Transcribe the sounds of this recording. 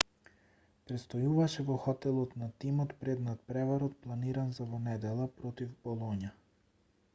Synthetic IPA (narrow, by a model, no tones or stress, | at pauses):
pɾɛt̪st̪ɔjuvaʃɛvɔxɔt̪ɛlˠɔt̪nat̪imɔt̪pɾɛd̪nat̪̚pɾɛvaɾɔt̪̚plˠaniɾanzavɔnɛd̪ɛlˠapɾot̪ivbɔlˠoɲa